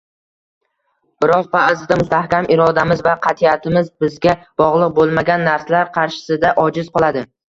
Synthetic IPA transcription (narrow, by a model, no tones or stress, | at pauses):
bɪɾɒqvazɪd̪amʊst̪ʰahkʲamʔɪɾɒd̪amɪzvaqʰɑt̪ʰiat̪ʰɪmɪzbɪzɡʲab̥ɒʁlˠɨq̚bolˠmaɡʲanːaɾslaɾqʰɑɾʃɪ̥sɪd̪aʔɒd͡ʒɪzqʰɒlˠad̪ɪ